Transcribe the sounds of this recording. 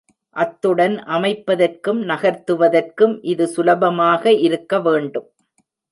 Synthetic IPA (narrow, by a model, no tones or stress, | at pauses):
ʔɐt̪ːɯɽɐnʔɐmɐɪpːɐðɐrkɯmnɐɣɐɾt̪ːɯʋɐðɐrkɯmʔɪðɯsʊlɐbɐmaːɣɐʔɪɾɯkːɐʋeːɳɖɯm